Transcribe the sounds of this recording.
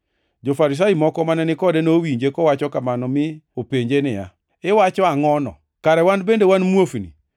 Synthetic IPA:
d͡ʒofaɾis̬ajimɔkɔmanɛnɪkɔdɛnowiɲd͡ʒekɔwat͡ʃɔkamanɔmɪopeɲd͡ʒenɪja̰ | ɪwat͡ʃɔaŋɔnɔ̰ | kaɾɛwanbendewanmwofnḭ

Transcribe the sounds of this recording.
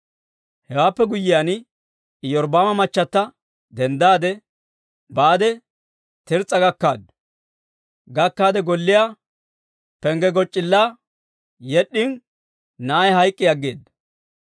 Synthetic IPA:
hɛwaːpːɛɡʊjːɪjan | ɪjɔɾbaːmɐmɐt͡ʃːɐt̪ːɐ | d̪ɛnd̪aːd̪ɛ | baːd̪ɛ | t̪ɪɾt͡sʼːɐɡɐkːa̰ːd̪ | ɡɐkːaːd̪ɛɡɔlːɪja | pɛŋɡɛɡɔt͡ʃʼːɪlːaː | jɛɗːɪn | nɐjɦɐjkʼːɪjɐɡːḛːd̪ɐ

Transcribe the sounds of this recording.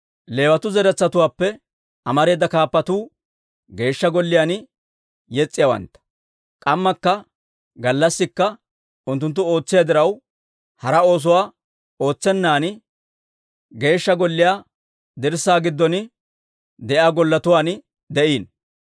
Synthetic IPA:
le̞ːwɐt̪ʊzɛɾɛt͡sːɐt̪ʊwaːpːɛ | ʔɐmɐɾe̞ːd̪ːɐkaːpːɐt̪uː | ɡe̞ːʃːɐɡɔlːɪjaːn | jɛt͡sʼːɪjɐwɐ̰nt̪ːɐ̥ | kʼɐmːɐkːɐ | ɡɐlːɐsːɪkːɐ | ʊnt̪ːʊnt̪̬ːʊo̞ːt͡sːɪjad̪ɪɾɐw | hɐɾɐo̞ːs̬ʊwaː | o̞ːt͡sːɛnːaːnɪ | ɡe̞ːʃːɐɡɔlːɪjaː | d̪ɪɾsaːɡɪd̪ːɔn | d̪ɛʔaːɡɔlːɐt̪ʊwaːn | d̪ɛʔiːn

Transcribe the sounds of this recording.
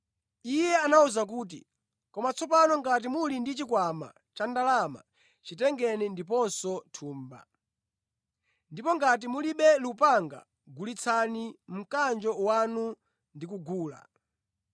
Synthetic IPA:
ijɛanauzak̬uːt̬ḭ | kɔmat͡sʰɔp̬anɔŋɡat̬imulindit͡ʃikwama̰ | t͡ʃandalama̰ | t͡ʃitɛŋɡɛnindip̬ɔnsɔtʰuːmba̰ | ndipɔŋɡat̬imuliɓɛlupaŋɡa̰ | ɡulit͡sʰanim̩kand͡ʒɔwanu | ndikuɡuːla̰

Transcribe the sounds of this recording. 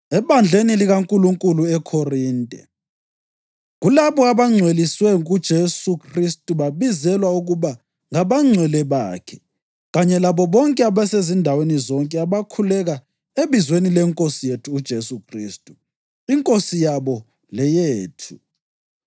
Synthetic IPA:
ɛpand͡ɮʱeniliɣaŋkʼuluŋkʼuluɛkʰoriːntʼɛ̰ | ɣulaβɔaβaŋ͡ǀʱweliswɛŋɣud̥ʒ̥ʱesukʰristʼuβaβizɛlwauɣuβa | ŋaβaŋ͡ǀʱwɛlɛβaːkʰɛ | ɣaɲɛlaβɔβɔŋkʼɛaβɛsezindʱawenizɔŋkʼɛaβakʰulɛɣa | eβizwenilɛŋkʼosijetʰuːd̥ʒ̥ʱesukʰrḭːstʼu | iŋkʼosijaβɔ | lɛjeːtʰu

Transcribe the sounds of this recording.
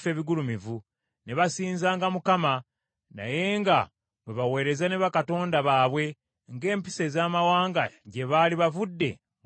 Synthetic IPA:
fe̞ːβiɡulumivu | ne̞βasiːnzaːŋɡamukama | na̰je̞ŋɡa | βweβawe̞ːɾe̞zane̞βakato̞ːndaβaːβwe̞ | ŋɡe̞ːmpi̥se̞zaːmawaːŋɡaɟe̞βaliβavudːe̞̰

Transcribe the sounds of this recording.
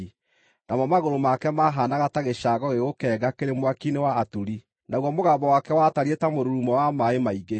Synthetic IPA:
namɔmaɣoɾomakɛmaɦanaɣataɣeʃaɣɔɣeɣokɛːɡakeɾemwakinewaːtuɾi | naɣwɔmoɣabɔwakɛwataɾietamoɾuɾumɔwamaemaiɡe

